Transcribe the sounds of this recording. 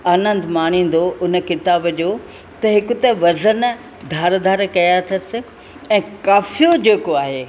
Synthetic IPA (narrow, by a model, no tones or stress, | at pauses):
ɐːnə̃nd̪maːɽ̤̃ĩːn̆d̪oʔʊnə̆kɪt̪aːbəd͡ʑoː | t̪ɐɦɪkʊt̪ɐʋɐzən | d̪ʱaːɾd̪ʱaːɾkɐjat̪ʰɐɾsɪ̆ | ɛ̃ːkaːfijod͡ʑeːkoaːɦeː